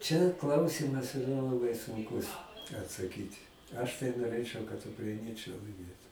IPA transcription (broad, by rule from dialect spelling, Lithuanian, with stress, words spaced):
t͡ʃʲɛ ˈklˠɐʊsʲiːmɐs ɪˈrɐ lˠɐˈbɐɪ sʊŋˈkʊs ɐtsɐˈkʲiːtʲɪ ˈɐʃ tɐɪ noːˈrʲeːt͡ʃɨɐʊ kɐt ʊkrɐɪˈnʲiɛt͡ʃɨɐɪ lˠɐɪˈmʲeːtʊ